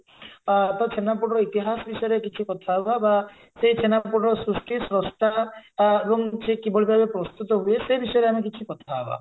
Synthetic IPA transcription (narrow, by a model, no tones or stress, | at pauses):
t̪ɔt͡ʃʰenapuɽɔɾɔit̪iɦasɔbisɔjɔɾekit͡ʃʰikɔt̪ʰababa | seit͡ʃʰenapuɽɔɾɔsɾusʈʰisɾɔsʈ̪a | boŋd͡ʒekibʱoɭibʱabepɾɔst̪ut̪ɔɦuesebisɔjɔɾeamek̬it͡ʃʰikɔt̪ʰaɦeba̰